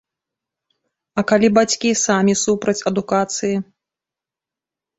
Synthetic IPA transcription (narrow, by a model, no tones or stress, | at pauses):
ɐkalʲibat͡sʲkʲisamʲisupɾɐt͡sʲɐd̪ukat̪sɨji